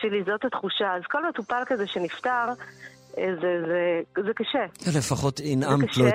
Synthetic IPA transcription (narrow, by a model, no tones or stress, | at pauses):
ʃelizo̞thatχuʃaːzko̞lmetupalkazeʃeniftaʁ | ezezezekaʃealefaχotinamlo